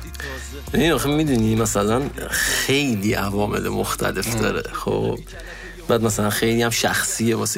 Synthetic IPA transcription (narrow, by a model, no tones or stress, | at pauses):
jæniɒːxemid̪unimæsælænxe̞jliːʔævɒːme̞̰lemoxt̪ʰæ̰le̞fd̪ɒ̰ːɾḛxo̰b̥ | bæːd̪mæsælænxe̞jliːjæmʃæxsiːemɒs